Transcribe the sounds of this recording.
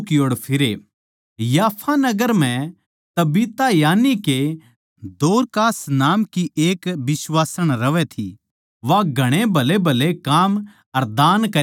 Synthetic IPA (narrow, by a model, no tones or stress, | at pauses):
kjoːɽpʰɪɾe | jaːpʰanɐɡəɾm̤ɛ̃ | t̪ɐbiːt̪ajaːnike | d̪oːɾkaːsnaːmkiʔeːkbɪsʋaːsəɽ̃ɾɐʋɛt̪ʰi | ʋaɡʱɐɽ̃ebʱɐlebʱɐlekaːm | ɐɾd̪aːnkɐ